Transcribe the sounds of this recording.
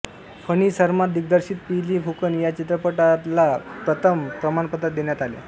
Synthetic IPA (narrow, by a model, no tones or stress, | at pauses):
fəñiːsəɾmad̪iɡ̚d̪əɾɕiːt̪̚piliːfukənjat͡ɕit̪ɾəpəʈat̪lapɾət̪ʰəmpɾəmanpəd̪at̪̚d̪enjat̪alḛ